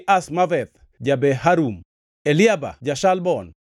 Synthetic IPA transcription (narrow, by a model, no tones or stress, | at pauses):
ʔasmavɛt̪ | d͡ʒabɛɦaɾum | elɪaba̰d͡ʒaʃalbɔn